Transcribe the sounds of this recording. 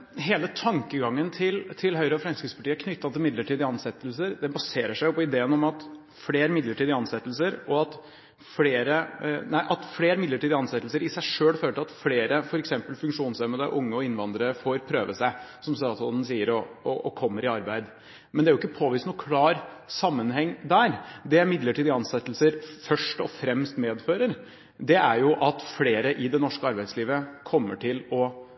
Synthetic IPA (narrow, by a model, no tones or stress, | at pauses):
ɦeːlət̪ʰɑŋkəɡɑŋːənt̪ʰɪlt̪ʰɪlɦœʏɾəɔfɾɛmskɾɪt̪spɑʈiːəkʰnʏt̪ːɑt̪ʰɪlmɪd̪ləʈiːd̪ɪɑnsɛt̪ːəlsəɾd̪ɛbɑseːɾəʂæɪʊpɔɪd̪eːənɔmɑt̪ | fleːɾmɪd̪ləʈʰiːd̪ɪɑnsɛt̪ːəlsəɾɔɑt̪ | fleːɾənæɪʔɑt̪fleːɾmɪd̪əʈiːd̪ɪɑnsɛt̪ːl̩səɾɪsæɪʂøːlføːləʈʰɪlɑt̪fleːɾəfɔɾɛksɛmpəlfʉŋkʂuːnsɛmːəd̪ɛʔʊŋːəɔɪnʋɑnd̪əɾəfoːɾpʰɾøːʋəsæɪsɔmst̪ɑːt̪sɔnn̩siːəɾɔɔɔkʰɔmːəɾɪɑɾbæɪd̪ | mɛnd̪ɛæɾjʊɪkːəpʰoːʋiːst̪uːkʰlɑːɾ | sɑmːənhɛŋːd̪æɾd̪ɛæmɪd̪ləʈʰiːd̪ɪɑnsɛt̪ːlsəɾfœʂʈɔ̰fɾɛmst̪meːd̪føːɾəɾ | d̪ɛæɾjʊʔɑt̪fleːɾəʔɪd̪ɛnɔʂkəɑɾbæɪd̪sliːʋəkʰɔmːəʈʰɪlɔ